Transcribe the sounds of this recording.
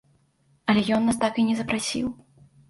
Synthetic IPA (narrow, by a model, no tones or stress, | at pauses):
ɐlʲɛjɔnːas̬t̪akinʲɛzɐpɾasʲḭw